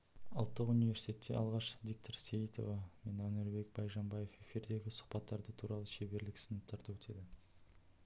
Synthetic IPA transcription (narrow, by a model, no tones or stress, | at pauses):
əlˠt̪ːəqunijve̞ɾsi̥t̪ʰʲe̞t̪ːe̞̰ʔɑ̰lˠʁɑʃvʲik̚t̪ʰoɾsejit̪o̞̰vɑme̞nænɪɾbe̞k̚bɑjʒɑmbɑjefe̞fiɾd̪e̞ɡʲɪsʊ̥χpɑt̪ːɑɾd̪ət̪ʰuɾɑlˠəʃebe̞ɾlɪksənəp̚t̪ʰɑɾt̪ɑwɵt̪ʰe̞d̪ɪ